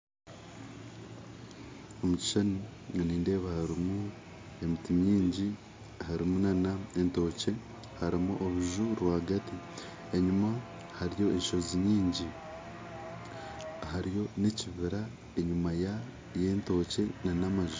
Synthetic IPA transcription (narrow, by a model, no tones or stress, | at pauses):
o̞muci̥ʃaniŋaniːnde̞ːβahaɾimu | e̞mitimiːɲɟi | haɾimunanaento̞ːce̞ | haɾimuʔoβuʒuɾwaːɡati | eɲuma | haɾijo̞e̞ʃo̞ziɲiːɲɟi | haɾijo̞ne̞ciβiɾa | eɲumaja | je̞ːnto̞ːce̞nanamaʒu